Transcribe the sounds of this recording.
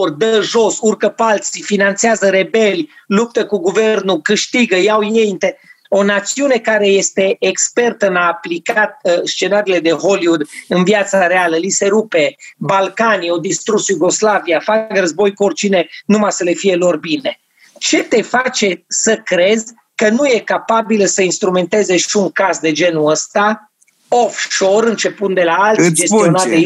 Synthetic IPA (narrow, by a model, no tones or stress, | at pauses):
ord̪əʒo̞surkəpalt̪sifinant̪seazəɾe̞belʲjlup̚t̪əkuɡuvernukɨʃt̪iɡəjawjejnt̪e | o̞nat̪siune̞kaɾe̞je̞st̪e̞ːkspe̞rt̪əɨnaːplikat̪̚st͡ʃe̞naɾiːle̞d̪e̞ɦoliud̪ɨnvjat̪saɾealəlise̞ɾupe̞balkaniod̪ist̪ɾusjuɡo̞slaviafakrəzbo̞jkort͡ʃine̞numajsəle̞fije̞lo̞rbine̞ | t͡ʃe̞t̪e̞fat͡ʃe̞səkɾe̞z | kənuje̞kapabiləsəinst̪ɾume̞nt̪e̞zeʃiuŋkazd̪e̞d͡ʒe̞nuəst̪a | ofʃo̞ɾɨnt͡ʃe̞pund̪e̞laaltsʲd͡ʒe̞st̪ionaat̪e